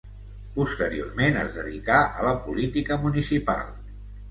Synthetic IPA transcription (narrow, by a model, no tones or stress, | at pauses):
pust̪əɾio̰rmenəzðəðikaʔələpulit̪ikəmunisipa̰lˠ